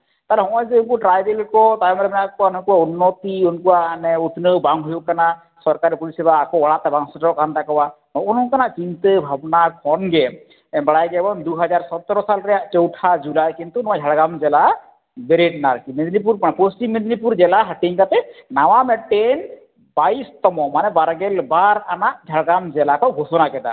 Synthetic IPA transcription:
t̪aɾɛɦɔ̃ʔɔjzekuʈɾajbelkɔt̪ajɔmɾɛmɛnaʔkɔanɔkɔwaunːot̪iunkuwaʔnɛut̪nəwbaŋɦujuʔkana | sɔɾkaɾipulisɛbaːkɔɔɽat̪ɛbaŋsɔʈɾɔʔkant̪akɔwa | mɔunɦɔ̃kanaʔt͡ʃint̪əbʱabnaɾpʰɔnɡɛ | baɽajɡɛɛbɔnd̪uɦad͡ʒaɾsɔt̪ːɔɾɔsalɾɛjaʔt͡ʃowʈʰad͡ʒulajkint̪unɔad͡ʒʱaɽɡamd͡ʒɛla | beɾeɖnaɾkimed̪nip̬uɾmaposʈimːed̪nipuɾd͡ʒɛlaɦaʈiɲkat̪ɛnawamɛʈːen | bajst̪ɔmɔmanɛbaɾɡɛlbaɾanaʔd͡ʒʱaɽɡamd͡ʒɛlakɔɡʱosɔnakɛd̪a̰

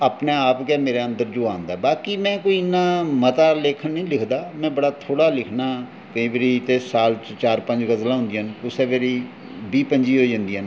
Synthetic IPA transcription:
aːpneːaːpkeːmeːɾeːə̃nd̪əɾd͡ʒoːãːnd̪aːɛbaːkiːmɛ̃ːkoːiːɪnːaːmət̪aːleːkʰənnəĩːlɪkʰd̪aːmɛ̃ːbəɽaːt̪ʰoːɽaːlɪkʰnaː | kəĩːbəɾiːt̪eːsaːlt͡ʃaːɾpə̃ɲd͡ʒɡəzlãːɦʊ̃nd̪iːənʊseʋeɾiː | biːpəɲd͡ʒiːɦoːd͡ʒãːnd̪iːən

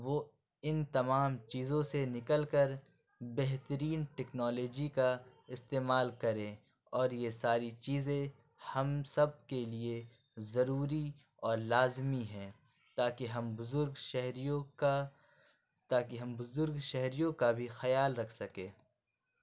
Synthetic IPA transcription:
ʋoː | ɪnt̪ɐmaːmt͡ʃiːzõsenɪkəlkəɾ | bɛɦt̪əɾiːnʈɛːknɔːlɔːd͡ʒika | ɪst̪eːmaːlkɐɾẽː | ɔːɾjesaːɾit͡ʃiːzẽ | hɐmsɐb̚kelie | zɐɾuːɾi | ɔːɾlaːzmiɦɛ̃ː | t̪aːkeɦɐmbʊzʊɾɡʃɛɦɾjõ | t̪aːkiɦɐmbʊzʊɾɡʃɛɦɾijõkabʱixɐjaːlɾɐkʰsɐkẽː

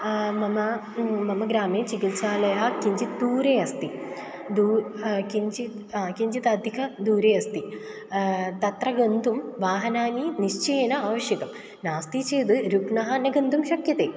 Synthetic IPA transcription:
mɐmɐ | mɐmɐɡɾaːmeːt͡ɕikilt͡ɕaːlɐjɦɐkiɲd͡ʑid̪uːɾeɐst̪i | d̪uːkiɲd͡ʑi | kiɲd͡ʑit̪ɐd̪ʱikʰɐd̪uːɾejɐst̪i | t̪ɐt̪rɐɡɐnd̪ʱumʋaːɦɐnaːniniʂt͡ʃeːnɐaːʋɐʂjɐɡɐm | naːst̪it͡ɕeːd̪ɨɾukɳɐɦɐnːɐɡɐnd̪ʱumʃɐkjɐt̪eː

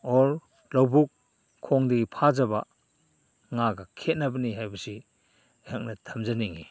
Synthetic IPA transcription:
ɔɾ | lɔwbukʰː | ɔŋdɯɡipʰad͡ʒaba̰ | ŋaɡakʰet̚nabaniɦajbasi | jak̚natʰamzaniŋḭ

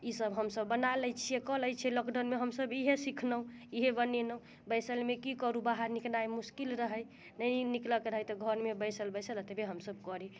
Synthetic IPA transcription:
isəbɦəmsəbːənaləjt͡ʃʰijekɔləjt͡ʃʰɛləkɖənmeɦəmsəbiɦesikʰnəũiɦebənenə | bəjsəlmekikɔɾubaɦaɾniknajmuskilɾəɦəj | nəjnikləkɾəɦəjt̪ɔɡʱəɾmebəjsəlbəsəlt̪ebeɦəmsəbkɔɾi

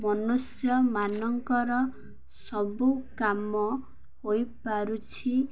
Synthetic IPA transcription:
mɔnusjɔmanɔŋkɔɾɔ | sɔbukamɔ | hojpaɾut͡ʃʰi

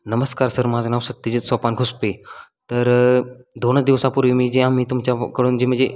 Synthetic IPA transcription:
nəməskaːɾsəɾmad͡znaʋsəd̪̚t̪ːid͡ʑət͡ssɔpanɡʱuspe | t̪əɾd̪onət͡sd̪iʋsapuɾʋimid͡ʑeam̤iːt̪umt͡ɕakəɽuːnd͡ʑem̤əd͡ze

